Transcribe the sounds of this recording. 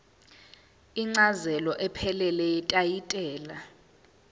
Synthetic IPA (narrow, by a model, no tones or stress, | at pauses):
iŋ͡ǀazɛlɔʔɛpʰɛlɛlɛɛtʼajitʼɛːla